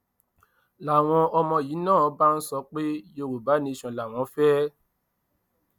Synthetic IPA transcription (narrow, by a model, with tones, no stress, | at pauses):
la˨w̃ɔ̃˧ɔ˧mɔ̃˧jiː˨˦nãː˦˨˦ba˦n̩˦sɔ˧˦k͡pe˦jo˧˨ɾo˨ba˨˦nĩ˧i˧˨ʃɔ̃˨la˨w̃ɔ̃˨˦fɛː˦